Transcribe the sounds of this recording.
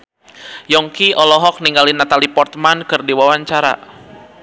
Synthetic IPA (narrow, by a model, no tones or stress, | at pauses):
jɔŋkiʔɔlɔɦɔk̚niŋɡalinat̪alipɔrt̪mankɨrdiwawaɲt͡ʃaɾa̰